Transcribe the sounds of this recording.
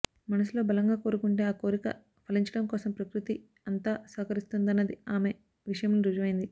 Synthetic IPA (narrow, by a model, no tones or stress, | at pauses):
mɐnɐs̬ulo̞ːbɐlɐŋɡaːko̞ːɾukuɳʈe̞ːaːko̞ːɾikɐ̰ | pʰɐliɲt͡ʃɐɽɐmkɔːsɐmpɾɐkɾut̪i | ɐnt̪aːsɐːkɐɾist̪und̪ɐnːɐd̪iaːme̞ | ʋiʂɐjɐmniɾud͡ʒuʋɐjind̪i